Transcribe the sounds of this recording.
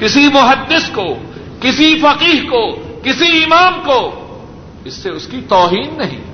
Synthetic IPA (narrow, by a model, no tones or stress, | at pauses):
kɪsimʊɦɐd̪ːɪsko | kɪsifɐqiːɦkokɪsiɪmaːmkoː | ɪsːeʊskit̪ɔːɦiːnːɐɦḭ̃ː